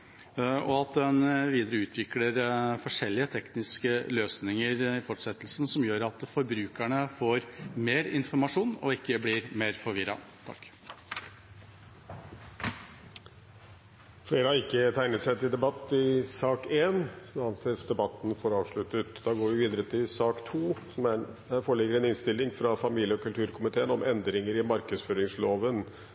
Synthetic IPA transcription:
ɔɑt̪̚d̪ɛnʋiːd̪əɾəʉːt̪ʰʋɪkləɾfɔʂɛlːɪət̪ʰɛknɪskəløːsnɪŋəɾɪfɔʈːʂɛt̪ːlsn̩sɔmjøːɾɑt̪fɔɾbɾʉːkæɳəfoːɾmeːɾɪnfɔɾmɑʂuːnɔ̰ɪkːəblɪɾmeːɾfɔɾʋɪɾɑ̰t̪ʰɑ̰kː | fleːɾəhɑɾɪkːət̪ʰæɪnət̪sɛɪt̪ʰɪld̪ɛbɑt̪ːɪsɑːkeːnɑnsesd̪ɛbɑt̪ːnfɔɾɑːʋʂɭʉt̪ət̪d̪ɑɡoːɾʋɪʋiːd̪əɾət̪ʰɪlsɑːkt̪ʰuːsɔmæfɔɭɛɡːəɾɛnɪnst̪ɪlːɪŋfɾɑfɑmiːljəɔkʉlt̪ʰʉːɾkʰʊmɪt̪ʰeːənɔmʔɛnd̪ɾɪŋəɾɪmɑɾkəsføːɾɪŋsloːʋən

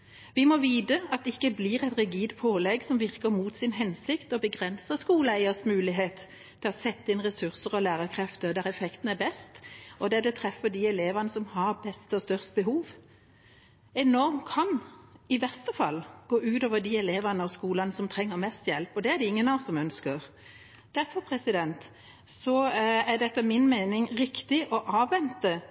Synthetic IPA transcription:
ʋɪmɔʋiːd̪əɑt̪̚ɛɪkːəblɪʁɛt̪ɾɪɡiːd̪pʰoːlɛɡsɔmʋɪʁkəɾmuːt̪sɪnɦɛnsɪkt̪ɔbəɡʁɛnsəskuːləæɪəsmʉːlɪɦeːt̪ʰː | ɪlɔsɛt̪ːəɪnʁɛsʉʁsəʁɔlæːʁəkʰʁɛft̪əd̪æɾɛfɛkt̪n̩æbɛst̪ɔd̪ɛd̪ɛt̪ʰɾɛfːəd̪iɛleːʋɑnəsɔmhɑʁbɛst̪əɔst̪œʁst̪bəɦuːʋ | ɛnɔɾmkʰɑnɪʋɛst̪əfɑlːɡ̥oːʔʉːt̪oːʋəɾd̪iɛleːʋɑnəɔskuːlɑnəsɔmt̪ʰɾɛŋːəɾmɛst̪jɛlpɔd̪ɛæd̪ɛɪŋːənɑsɔmœnskəʁ | d̪̥æɾfɔɾpʰɾɛsɪd̪ɛnt̪ | sɔæɖ̪ɛt̪ːəmɪnmeɪnɪŋɾɪkt̪ɪʔɔʔɑːʋːɛnt̪ə

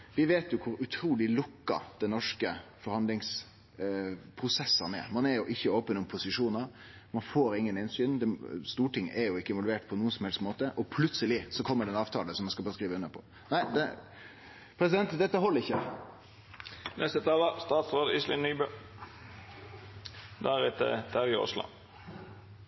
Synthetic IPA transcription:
ʋɪʋeːt̪jʊkʰʊɾʉt̪ʰɾuːlɪlʊkːə̰ɾd̪̥ɛnɔʂkəfɔɾhɑnd̪lɪŋs | pʰɾʊsɛsːɑnɛɾmɑnɛɾjʊʔɪçːəoːpənʊmpʰʊsɪʂuːnɑɾ | mɑnfoːɾɪŋːənɪnsyːnd̪ɛst̪uːʈɪŋːɛɾjʊɪkːəɪnʋɔlʋeːʈpʰɔnuːənsɔmhɛlsmoːt̪əʔɔpʰlʉt̪səlɪsɔkʰɔmːəɖɛnɑːʋt̪ʰɑːləsɔmːɑnskɑbɑːskɾiːʋəʉnːəpʰɔ̥ | næɪd̪ɛ | pʰɾɛsɪd̪ɛnt̪d̪ɛt̪ːəɦɔlːəɾɪçːə | nʔɛst̪əɛt̪ʰɑːʋəst̪ɑːt̪sʁoːd̪islɪnːybø | d̪æɾɛt̪ːə̰t̪ʰæɾɪɔ̰slɑ̰

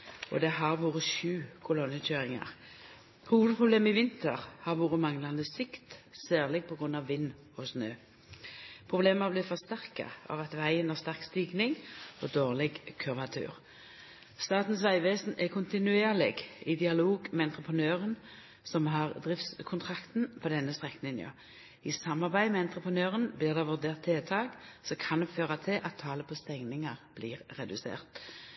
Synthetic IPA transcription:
ʔɔ̰d̪ɛɦɑʁʋoːʁəʃʉːkʰʊlɔnːəçøːʁɪŋɑ̰ʁ | huːʋəd̪pʰʁʊbleːməɪʋɪnt̪ʰəʁhɑʁʋoːʁəmɑŋlɑnd̪əsɪkt̪sæːʁlɪɡ̚pʰɔɡʁʉnːɑʋːɪnː | ɔsnøː | pʰʁʊbleːməblɪfɔʁst̪æʁkɑ̰ɑ̰ʋɑt̪ʋæɪənæʁst̪æʁkst̪iːɡnɪŋɔd̪oːʁlɪɡkʰœʋɑt̪ʰʉ̰ːʁ | st̪ɑːt̪n̩sʋæɪʋeːsnʔɛkʰʊnt̪ɪnʉeːʁlɪɡɪd̪ɪɑloːɡmɛɑnt̪ɾʁəpʰʁənøːʁən | sɔmɦɑʁd̪ʁɪft̪skʰʊnt̪ʰʁɑkt̪n̩pʰɔd̪ɛnːəst̪ʁɛkːnɪnɑ̰ | ɪsɑmːɑʁbæɪmɛɑnt̪ʁəpʁənøːʁənblɪːʁd̪ɑʋʉʁd̪eːʁt̪ʰːeːt̪ʰɑːɡsɔkʰɑnd̪ɛføːʁɑt̪ʰɪlʔɑt̪ʰːɑːləpʰɔst̪ɛŋnɪŋəʁb̥lḭːʁːɛd̪ʉsḛːʁt̪

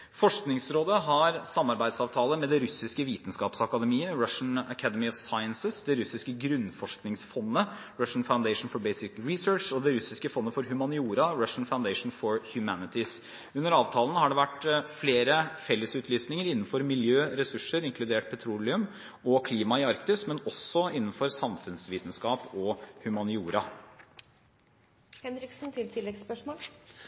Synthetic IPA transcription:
fɔʂknɪŋsɾoːd̪əɦɑɾsɑmːɑɾbæɪd̪sɑːʋt̪ʰɑːləmɛd̪ɛɾʉsɪskəʋiːt̪n̩skɑːpsɑkɑd̪əmiːəɹɑʂn̩əkʰæd̪əmɪɔʋsɑɪənsəsd̪ɛɾʉsɪskəɡɾʉnːfɔʂknɪŋsfɔnːə | ɹɑʂn̩faʊnd̪eɪʂn̩fɔɾbeɪsɪkɹɪsøːʂɔd̪ɛɾʉsɪskəfɔnːəfɔɾɦʉmɑnɪuːɾɑɹɑʂn̩faʊnd̪eɪʂn̩fɔɹhjʉmænɪt̪ɪs | ʉnːəɾɑːʋt̪ʰɑːln̩hɑɖɛʋæʈfleːɾəfɛlːəsʉːt̪lyːsnɪŋəɾɪnːn̩fɔɾmɪljøːɾɛsʉʂəɾɪŋklʉd̪eːʈ̚pʰɛt̪ʰɾuːlɪʉm | ɔkʰliːmɑɪɑɾkt̪ɪsmɛnɔsːɔɪnːn̩fɔɾsɑmfʉnsʋiːt̪n̩skɑːpɔhʉmɑnɪuːɾɑ | hɛnɾɪksn̩t̪ʰɪlt̪ʰɪlːɛɡspœʂmoːl

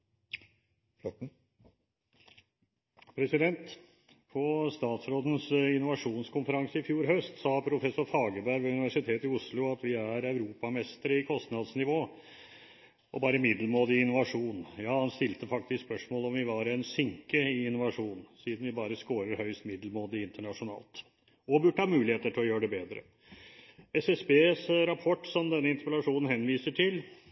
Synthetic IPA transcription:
fɔ | pʰɾɛsɪd̪ɛnt̪ | pʰɔst̪ɑːt̪sɾoːd̪ən̩sɪnːʊʋɑʂuːnskʰʊnfəɾɑŋsəɪfjuːɾɦœst̪sɑːpʰɾʊfɛsʊɾfɑːɡəbæɾʋʉnɪʋæʂɪt̪ʰeːt̪ɪʊslʊɑt̪ʋɪæɾɑʉɾuːpɑmɛst̪əɾəɪkʰɔst̪nɑd̪snɪʋoː | ʔɔbɑːɾəmɪd̪lmoːd̪ɪɪnːʊʋɑʂuːnjɑːhɑnst̪ɪlt̪əfɑk̚t̪ɪskspœʂmoːlɔmʋɪʋɑɾɛnsʏŋkəɪɪnːʊʋɑʂuːnsiːd̪nʋɪbɑːɾəskoːɾəɾhœʏst̪mɪd̪lmoːd̪ɪɪnt̪əɳɑʂʊnɑ̰ːlt̪ | ɔbʉɖʈəɑːmʉːlɪheːt̪əʈʰɪlɔjøːɖɛbeːd̪ɾə̰ | ɛsɛsbeːsɾɑpʰɔʈːsɔmd̪ɛnːəɪnt̪əpɛlɑʂuːnn̩hɛnːʋiːsəʈʰɪl

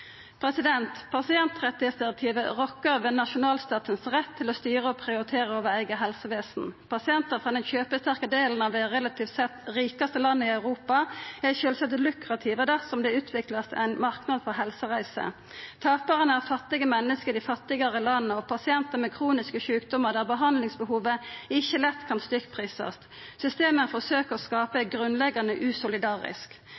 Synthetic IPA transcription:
pʰɾɛsɪd̪ɛnt̪pʰɑsɪɛnt̪ʁɛt̪ːɪeːt̪ət̪ʰiːʋəʁɔkːəʁʋɛːnɑʃʊnɑːlst̪ɑːt̪ənsʁɛt̪ʰːɪlɔst̪yːʁəɔpʰʁɪʊɾɪt̪ʰeːʁəoːʋəæɪɡəɦɛlsəʋeːsnpʰɑsɪɛnt̪əʁfʁɑd̪ɛnçøːpəst̪æʁkəd̪eːln̩ɑʋd̪ɛʁɛlɑt̪ʰiːft̪sɛt̪ʁiːkɑst̪əlɑnːəɪɑʉʁuːpɑɛʃøːlsɛt̪lʉkʁɑt̪ʰiːʋəd̪æsɔmd̪ɛʉːt̪ʰʋɪklɑst̪æ̰ɪnmɑʁknɑd̪pʰɔɦɛlsəʁæɪsə̰ | t̪ʰɑːpəʁənəæʁfɑt̪ːɪɡəmɛnːəskəd̪ɪfɑt̪ːɪɡɑʁəlɑnːəɔpʰɑsɪɛnt̪əmɛkʰʁuːnɪskəʃʉːkd̪ɔməʁd̪æʁbəɦɑnd̪lɪŋsbəhuːʋəɪçːəlɛt̪ːkʰɑnst̪ʏkpʰʁiːsɑ̰st̪ | sʏst̪eːmənfɔʁsøːkəʁɔskɑːpəɛɡɾʉnlɛɡɑnəʔʉːsʊlɪd̪ɑːʁɪ̰sk

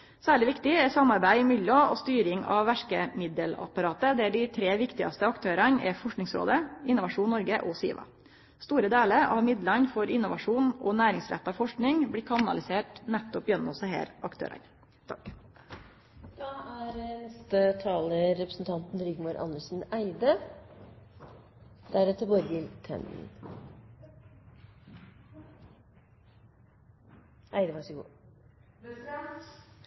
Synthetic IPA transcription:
sæːɭɪʋɪkt̪ɪɛsɑmːɑɾbæɪɪmʏlɔɔst̪yːɾɪŋɑ̰ʋʋæʂkəmɪd̪əlɑ̰pɑɾɑːt̪əd̪ɛæɖɪt̪ʰɾeːʋɪkt̪ɪɑst̪əɑkt̪ʰøːɾɑnɛ̰fɔʂknɪŋsɾo̰ːd̪əɪnʊʋɑʂuːnnːɔɾɡəʔɔsḭːʋɑ̰ | st̪uːɾəd̪eːləɾɑʋmɪd̪lɑnfɔɾɪnːʊʋɑʂuːnɔnæːɾɪŋsɾɛ̰t̪ːɑʋfɔʂknɪŋblɪkʰɑnɑ̰lɪseːʈnæt̪ːɔpjɛnːɔsæɪɦæ̰ːɾɑkt̪ʰø̰ːɾʔɑ̰n | t̪ʰɑk | d̪̥ɑːæɾnɛst̪ət̪ʰɑːləɾɛpɾəsn̩t̪ʰɑnt̪nɾʏɡmuɾʔɑ̰nːəʂn̩æɪd̪ə | d̪̥æɾɛt̪ʰːəboɾəɡɪlt̪ʰɛ̰nn̩ | ʔæɪd̪əʋɑʂəɡṵː

